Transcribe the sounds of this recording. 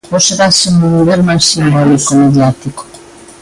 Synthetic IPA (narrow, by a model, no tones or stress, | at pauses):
xoseɾasimbonuβeɾmasimbolikomeðjat̪iko̥